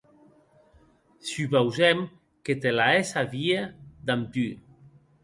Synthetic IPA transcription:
sypawzɛm | ket̪elaesaβiad̪amt̪y

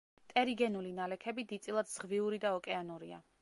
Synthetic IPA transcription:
t̪ʼɛɾiɡɛnulinalɛkʰɛbid̪it̪sʼilˠad̪z̥ʁviuɾid̪aɔkʼɛanuɾia̰

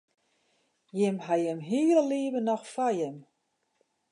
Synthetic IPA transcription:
jɪmɦajɛmɦiːɾəliəbənɔxfajɛm

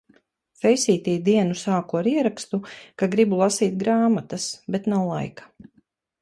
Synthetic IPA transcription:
fɛjsʲiːt̪iːd̪iɛnusaːkuaɾiɛɾakst̪ukaɡɾibulˠasiːt̪ɡɾaːmat̪asbɛt̪nawlˠa̰jkḁ

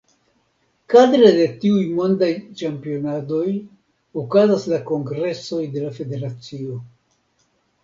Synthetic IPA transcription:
kadɾade̞tiujmo̞ndajt͡ʃampio̞nado̞j | okazaslako̞ŋɡɾe̞so̞jde̞lafe̞de̞ɾat͡sio̞

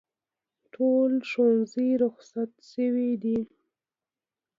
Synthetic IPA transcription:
ʈʰolʃwanzijɾʊxsat̪ʃəwid̪i

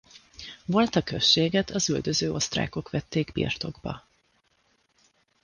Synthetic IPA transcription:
vo̞lt̪ɒkøʃːeːɡɛt̪ʰɒzyld̪ø̞zøːʔo̞st̪ra̰ːko̞kʋɛt̪ːeːɡbḭrt̪o̞ɡbɒ̰

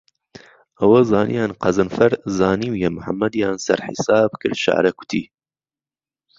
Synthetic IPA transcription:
ʔɐwɐzaːnḭjaːnqɐzɨnfɐɾzaːniwjemʊħamːɐd̪jaːnsɐ̰ɾħḭsaːb̚kɨɾʃa̰ʕɾɐkʊ̥t̪ʰiː

